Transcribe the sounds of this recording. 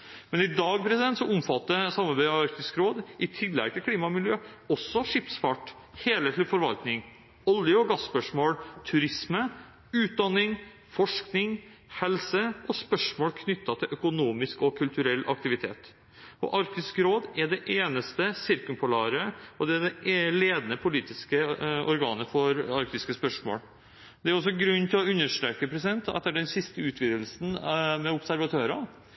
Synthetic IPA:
mɛnɪd̪ɑːɡ̚pʰɾɛsɪd̪ɛnt̪sɔʊmfɑt̪ːəsɑmːɑɾbæɪɑɑɾkt̪ɪskɾoːd̪ʔɪt̪ʰɪlːɛ̰ɡ̚t̪əkʰliːmɑmɪljøːɔsːɔʂɪpsfɑʈ | heːlɛt̪lɪfɔɾʋɑlt̪nɪŋ | ɔljəɔɡɑspœʂmoːlt̪ʰʉɾɪsmə | ʉːt̪̚d̪ɑnːɪŋ | fɔʂknɪŋ | hɛlsəʔɔspœʂmoːlkʰnʏt̪ːɑt̪ʰɪʔœkʊnuːmɪskɔkʰʉlt̪ʉɾɛlːʔɑ̰k̚t̪ɪʋɪt̪ʰḛːt̪ | ɔ̰ʔɑɾkt̪ɪskɾoːd̪ɛɖɛʔeːnəst̪əsɪɾkʉmpʰʊlɑːɾəɔd̪ɛæd̪ɛleːd̪nəpʰʊliːt̪ɪskəʔɔɾɡɑ̰ːnəfɔɾɑɾk̚t̪ɪskəspœʂmo̰ːl | d̪ɛæɾɔs̬ːɔɡɾʉnːt̪ʰɪlɔʉnːəʂt̪ɾekəpʰɾɛsɪd̪ɛnt̪ɑ̰t̪ːæɖɛnsɪst̪əʉːt̪ʰʋiːd̪əlsn̩mɛʊpsæɾʋɑt̪ʰøːɾɑ

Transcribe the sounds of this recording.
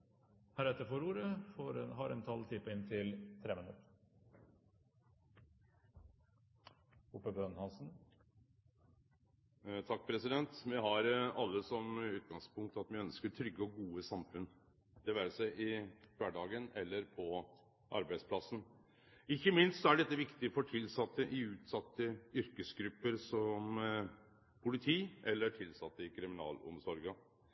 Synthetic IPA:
hæːɾɛt̪ːəfoːɾuːɾəfoɾɦɑɾɛnt̪ʰɑlt̪ʰɪpəɪnt̪ʰɪlt̪ʰɾeːmənʉ̰t̪ | ʊpːəbøːnhɑnsn̩ | t̪ʰɑk̚ːpʰɾɛsɪd̪ɛnt̪mɛɦɑɾɑlːəsɔmʉːt̪̚ɡɑŋspʊŋk̚t̪ɑt̪mɪœnskəʈʰɾʏɡːəɔɡuːəsɑmfʉn | d̪̥ɛʋæːɾəsæɪʔɪʋæɖɑːɡənɛlːəɾpʰɔ | ʔɑ̰ɾbæɪspʰlɑsːən̩ | ɪçːəmɪnst̪sɔæɖɛt̪ːəʋɪkt̪ɪfɔʈʰɪlsɑt̪ːəʔɪʉːt̪sɑt̪ːəʏɾkəsɡɾʉpːəɾsɔm | pʰʊlɪt̪ʰiːʔɛlːəʈʰɪlsɑt̪ːəɪkʰɾɪmɪnɑ̰ːlɔ̰msɔɾɡə

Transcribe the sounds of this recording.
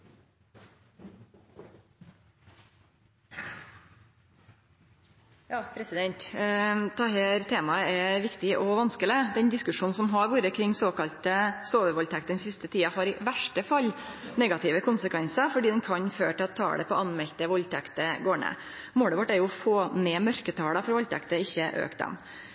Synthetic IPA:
jɑːpʰɾɛsɪd̪ɛnt̪t̪ʰɑːheːɾt̪ʰeːmɑəɛʋɪkt̪ɪʔɔʋɑnskələd̪ɛnd̪ɪskʉʂuːnn̩sɔmɦɑɾʋuːɾəkʰɾɪŋːsoːkɑlt̪əsoːʋəɾʋɔlt̪ʰæk̚t̪ənsɪst̪ət̪ʰiːɑhɑɾɪʋæʂʈəfɑlː | nɛɡɑt̪ɪʋəkʰʊnsəkʰʋɛnsəfɔɖiːd̪ɛnkʰɑɲfø̰ːʈɪɑtt̪ʰːɑ̰ːɽɛpɔʔɑnmɛlt̪əʋɔlt̪ʰækt̪əɡoːɳə̰ | moːɽəʋɔʈːæɾjʊɔfoːneːmœɾkət̪ʰɑːɽəfɔɾʋɔlt̪ʰæ̰kt̪əɪçːəʔø̰ːkt̪̚d̪ɛ̰m

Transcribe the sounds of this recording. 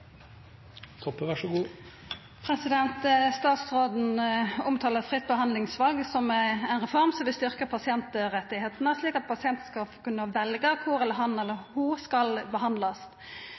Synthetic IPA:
t̪ʰɔpːəʋæʂəɡuː | pʰɾɛsɪd̪ɛnt̪st̪ɑːt̪sʁoːd̪n̩ʊmt̪ʰɑːləfʁɪt̪̚ːbəɦɑnd̪lɪŋsʋɑlɡsɔmɛɛɪnʁɛfɔʁmsɔmʋɪlst̪ʏʁkəpʰɑsɪɛnt̪ɾɛt̪ːɪheːt̪ənəʂliːkɑt̪̚pʰɑsɪɛnt̪n̩skɑfkʉnːəʋɛlɡəkʰʊɾɛləɦɑnɛlːəhuskɑlbəɦɑnd̪lɑs

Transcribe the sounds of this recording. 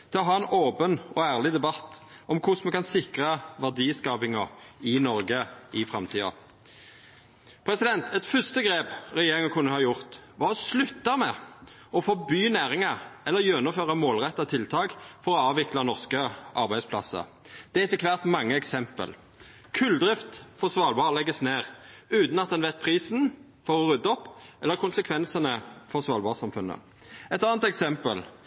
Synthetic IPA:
t̪ʰɪlɔɦɑːɛnoːpənʔɔæːʁlɪd̪ɛbɑt̪ːɔmkʰʊsmɛkɑnsɪkʁəʋæʁd̪iːskɑːpɪŋɑɪnɔʁɡəɪfɾɑmt̪ʰiːɑ̰ | pʰɾɛsɪd̪ɛnt̪ʰɛt̪fœst̪əɡʁeːpʁɛjeːɾɪŋəkʰʉnːəhɑːjʊʁt̪ʋɑʁɔslʉt̪ːɑmɛ | ɔfoːbyːnæːʁɪŋɑɛlːəɾjøːnəføːʁɑmoːlʁɛt̪ːɑt̪ʰɪlt̪ʰɑːkfɔʁɔɑːʋɪklɑnɔʁskəʔɑʁbæɪspʰlɑ̰sə̰ | d̪̥ɛːɛt̪ːɪkʰʋæʁt̪mɑŋːəɛksɛmpə̰l | kʰʉld̪ʁɪft̪fɔʁsʋɑːlbɑːʁlɛɡːəsneːʁʉːt̪n̩ɑt̪̚d̪ɛnʋɛt̪̚pʰʁiːsn̩ | fɔʁɔʁʉd̪ːɔpːʔɛlːəʁkʰʊnsəkʰʋɛnsənəfɔʁsʋɑːlbɑːʁsɑmfʉnːə̰ | ɛt̪ɑːnt̪ɛksɛmpəl

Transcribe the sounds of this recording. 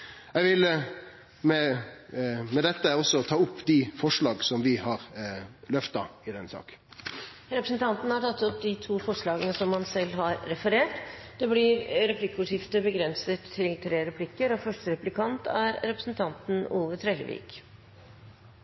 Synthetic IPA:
ɛɡʋɪl | mɛ | mɛd̪ɛt̪ːəɔsːɔt̪ʰɑːʊpːd̪ɪfɔʂɭɑːɡsɔmʋɪhɑɾlœft̪ɑ̰ɪd̪ɛnsɑ̰ːk | ɾɛpɾəsən̩t̪ʰɑnt̪n̩hɑʈʰɑt̪ːɔpːd̪ɪt̪ʰuːfɔʂɭɑːɡənəsɔmhɑnsɛlːɦɑɾːɛfəɾeːʈd̪̥ɛblɪɾɾɛpʰlɪkːəʊːʂjɪft̪əbəɡɾɛnsət̪ʰːɪlt̪ʰɾeːɾɛpʰlɪkːəɾɔfœʂʈəɾɛplɪkʰɑnt̪æɾɾɛpɾəsnt̪ʰɑnt̪n̩uːʋət̪ʰɾɛlə̰ʋḭːk

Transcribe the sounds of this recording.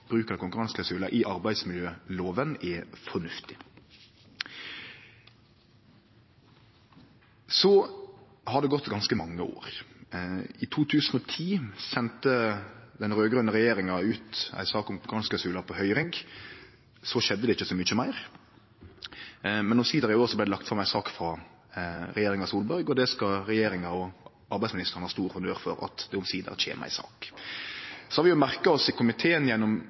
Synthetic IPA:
b̥ɾʉːkəkʊŋkʉɾɑnskʰlɑʊsʉːlɑʔɪʔɑɾbæɪd̪smɪljøːloːʋənɛfɔnʉft̪ɪ̥ | sɔ | hɑd̪ɛɡɔt̪ːɡɑnskəmɑŋːəo̰ːɾ | ɪt̪ʰuːt̪ʰʉːsən̩ɔːt̪ʰiːçɛnt̪əd̪ɛnʁøːɡʁœnəʁɛjeːɾɪŋɑʉːt̪æ̰ɪsɑːkʊmɡɑnskɑsʉːlɑpʰɔhœʏɾɪŋɡ | sɔʃɛd̪ːəd̪ɛɪçːəsɔmʏçəmæɪɾ | mɛnʊmsiːd̪əɾɪoːɾsɔblæɪd̪ɛlɑkt̪fʁɑmːæɪsɑːkfɾɑ | ɾɛjeːɾɪŋɑsuːlbœɾɡɔd̪ɛskɑɾɛjeːɾɪŋɑɔ | ʔɑɾbæɪsmɪnɪst̪əʁənəhɑːst̪uːɾfɔnd̪øːɾfɔ̰ɾɑ̰t̪d̪ɛʊmsiːd̪ə̰ʁc͡çʰḛːn̰ʔæ̰ɪsɑ̰ːk | sɔhɑɾʋɪjʊmæʁkɑɔsɪkʰʊmɪt̪ʰeːənjɛnːɔm

